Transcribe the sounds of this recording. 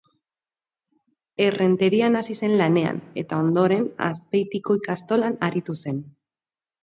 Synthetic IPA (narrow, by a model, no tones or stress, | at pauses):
e̞re̞nt̪e̞ɾianasise̞nlane̞a̰ne̞̰t̪ao̞nd̪o̞ɾe̞na̰spe̞jt̪iko̞ikast̪o̞lanaɾit̪use̞n